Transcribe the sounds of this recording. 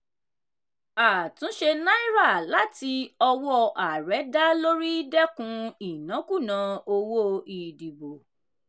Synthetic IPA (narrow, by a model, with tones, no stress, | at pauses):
a˨tũ˨˦ʃe˧nã˦i˦ɾa˦˨la˦ti˧ɔ˧wɔ˦ʔa˨ɾɛ˨˦da˦lo˦ɾi˦dɛ˦kũ˧i˨nã˨˦ku˦˨nã˨o˧wo˦i˨di˨bo˨